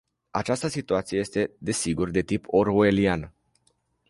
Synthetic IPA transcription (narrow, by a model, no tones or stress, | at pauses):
a̰t͡ʃast̪əsit̪uat̪sijee̞st̪e̞d̪e̞siɡurd̪e̞t̪ipoɾoelianə